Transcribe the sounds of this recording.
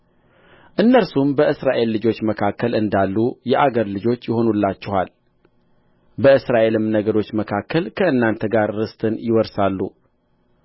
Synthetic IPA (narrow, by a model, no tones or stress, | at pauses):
ʔɨnːəɾsumbəʔɨsɾaʔe̞lːɨd͡ʒo̞t͡ʃːməkʰakːəlɨnd̪alːujɛʔaɡəɾlɨd͡ʒo̞t͡ʃːjɪho̞nulːat͡ʃːɛhal | bəɨsɾaʔe̞lɨmnəɡəɾo̞t͡ʃːməkʰakːəlkʰəɨnːant̪ʰəɡaɾːɨst̪ʰɨnjɪwɔɾsalːṵ